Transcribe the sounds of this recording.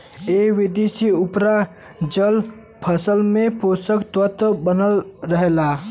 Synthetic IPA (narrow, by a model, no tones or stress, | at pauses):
eːʋɪd̪esiʊpɾa | d͡ʒəl | pʰəsəlmẽposəkt̪ət̪bənəlɾəɦela